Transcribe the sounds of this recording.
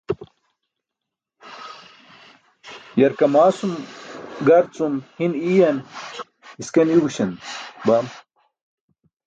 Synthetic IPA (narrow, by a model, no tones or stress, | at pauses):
jɐɾkɐmaːsumɡɐɾt͡sumhinijɐn | iskɐniɡuɕɐnbɐm